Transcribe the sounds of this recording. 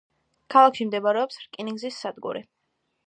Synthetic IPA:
kʰalˠakʰʃimd̪ɛbaɾɛɔpsɾkʼiniŋɡzisːad̪ɡṵɾi

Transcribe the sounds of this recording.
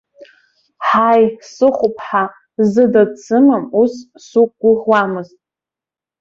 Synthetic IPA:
ħajsɨχʷʊpʰʼħa | zɨdat͡sʰɨmamus | suk̚ʼɡ̥ʷʊʁwamɨztʼ

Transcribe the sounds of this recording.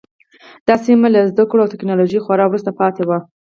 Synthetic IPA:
d̪̥ɑsimalazd̪akɽoawt̪ɪknɑloʒixaɾɑwɾust̪apɑt̪ewa

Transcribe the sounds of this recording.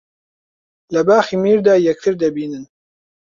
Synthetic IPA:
lɛbaːxiːmiːɾd̪aːjɛk̚t̪ʰɨɾd̪ɛbiːnɨn

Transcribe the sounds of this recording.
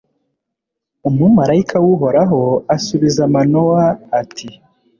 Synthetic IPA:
umŋumaɾaikʰawuɦo̞ɾaɦoasuβizamanowaːtʰi

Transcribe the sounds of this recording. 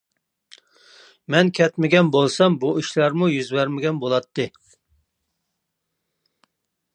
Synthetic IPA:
mɛnkʲʰɛt̪mɪɡʲɛnbolˠsɑmbuiʃlæɾmujyzbɛɾmɪɡʲɛnbolˠɑt̪ʰːɨ

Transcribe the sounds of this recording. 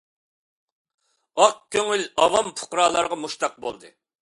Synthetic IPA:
ɑq̚kʲøŋylɑwɑmpʰʊ̥qɾɑːlˠɑɾʁɑmuʃt̪ɑq̚bo̰lˠd̪ɨ̰

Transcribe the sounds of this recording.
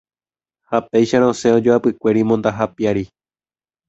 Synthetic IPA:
hapejʃaɾõ̞se̞õ̞d͡ʒoapɨkʷe̞ɾimõ̞nd̪aɦapiaɾi

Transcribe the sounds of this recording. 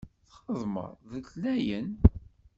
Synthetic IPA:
θχəðˤmə̰ɾˤðəɬlæjən

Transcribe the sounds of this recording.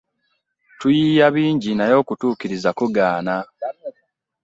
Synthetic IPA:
tujiːjaβiːɲɟinajo̞ːkutuːkiɾizakuɡaːna

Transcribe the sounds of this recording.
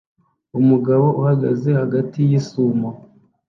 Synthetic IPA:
umuɡaβo̞ʔuhaɡaze̞haɡatijisuːmo

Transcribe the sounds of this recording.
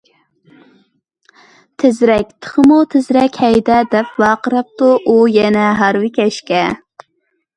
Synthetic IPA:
t̪ʰɪzɾɛk̚ʲt̪ʰə̥χəmut̪ʰɪzɾɛkʲhɛjd̪ɛd̪ɛpwɑːqəɾɑp̚t̪uʔujɛnɛɦɑɾwɪkʲɛʃkʲɛ

